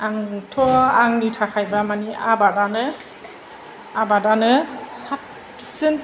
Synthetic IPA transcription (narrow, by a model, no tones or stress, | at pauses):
aŋtʰɔaŋnitʰakʰajbamaniʔabadanɯ | abadanɯsap | sɯn